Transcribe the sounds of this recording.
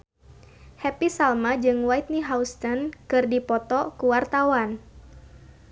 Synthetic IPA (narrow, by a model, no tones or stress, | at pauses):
hɛpisalmad͡ʒɨŋwajt̪̚niɦaust̪ənkɨrdipɔt̪ɔkuwart̪awan